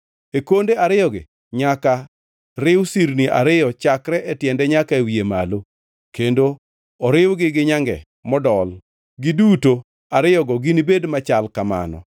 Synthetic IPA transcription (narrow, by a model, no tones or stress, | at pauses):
ekondeaɾɪjɔɡɪ̰ | ɲaka | ɾɪwsiɾniʔa̰ɾɪjɔt͡ʃakɾɛʔɛtjɛndɛɲakaewiema̰lo | kendo | ɔɾɪwɡɪɡɪɲaŋɡɛ̰ | mɔdɔl | ɡiduto | aɾɪjɔɡɔɡinibedmat͡ʃalkama̰nɔ̰